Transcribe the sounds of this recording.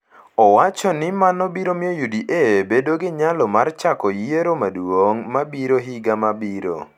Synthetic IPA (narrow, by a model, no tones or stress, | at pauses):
ɔwat͡ʃɔnɪmanɔbiɾomiojudiʔebedoɡɪɲalɔmart͡ʃakɔjeɾomadwoŋmabiɾoɦiɡamabiɾo̰